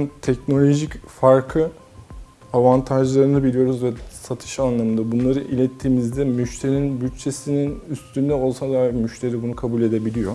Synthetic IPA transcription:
nt̪ʰɛcno̞lʲo̞ʒicfaɾkʰɯ | avant̪ʰaʒlˠaɾɯnɯbilʲijo̞ɾuzvɛsat̪ʰɯ̥ʃanlˠamɯnd̪abunlˠaɾɯʔilʲɛt̪ʰːiːmizd̪ɛmyʃt̪ʰe̞ɾiinbyt͡ʃt͡ʃːʰe̞sininyst̪ʰynd̪ɛo̞lˠsad̪akmyʃt̪ʰe̞ɾibunukʰabulʲe̞d̪e̞bilʲijo̞

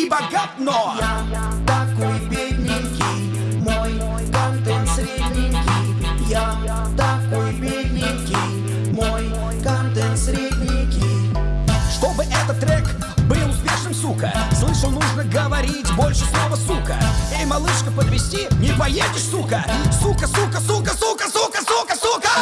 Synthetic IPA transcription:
ibɐɡat̪noja | t̪ɐkojbʲeɪd̪ʲnʲŋkʲi | moj | kɐnd̪ɛnsɾɪdɲʲikʲi | ja | t̪ɐkojbʲed̪ʲnʲikʲi | moj | kɐnd̪ɛnsɾʲid̪ʲɲʲikʲi | ʂt̪o̞bɨʔɛt̪ət̪ːrɛk | bɨlˠʊspʲeʂnɨmsukə̰slˠɨʂəlˠnuʐnəɡəvɐɾʲitʲbo̞lʲʂɨslˠovəsukə̰ejmɐlˠɨʂkəpəd̪vʲɪsʲtʲinʲɪpɐjedʲɪʂsukəsukəsukəsukəsukəsukəsukəsukə

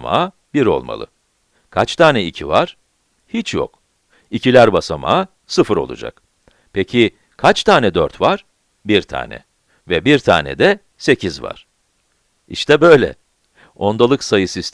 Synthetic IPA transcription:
ma̰ː | biɾo̞̰lˠma̰lˠɯ̰ | kʰat͡ʃt̪ʰaːnɛicʰivaɾ̥ | hit͡ʃʰjo̰k | icʰilʲæɾbasama̰ː | sɯfɯɾo̞̰lˠṵd͡ʒa̰k | pʰecʰi | kʰat͡ʃt̪ʰaːnɛd̪øɾt̪vaɾ̥ | biɾt̪ʰa̰ːnɛ̰ | vɛbiɾt̪ʰa̰ːnɛ̰d̪ɛ | se̞cʰizva̰ɾ̥ | iʃt̪ʰɛbø̞jlʲɛ̰ | o̞nd̪alˠɯksajɯsist̪

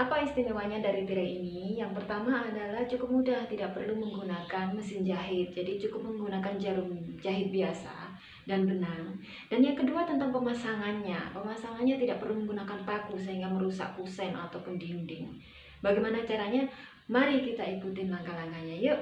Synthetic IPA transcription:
ʔapaist̪iniwaɲadaɾip̪iɾainijaŋpərt̪amaːdalaht͡ʃukʊp̚mudaht̪idaʔ̚pərluməŋɡunakanməsɪnd͡ʒaɦɪt̪̚d͡ʒadit͡ʃukʊp̚məŋɡunakand͡ʒaɾʊŋd͡ʒaɦɪt̪̚biasa̰ | danbənaŋ | d̥anjaŋkəduat̪ənt̪aŋpəmasaŋanɲa̰pəmasaŋanɲat̪idaʔ̚pərluməŋɡunakanpakus̬əɦiŋɡaməɾusa̰ʔ̚pusɛna̰t̪awpʊndindɪŋ | baɡajmanat͡ʃaɾaɲa | maɾikit̪aikut̪ɪnlaŋkaŋaŋanɲajəʔ

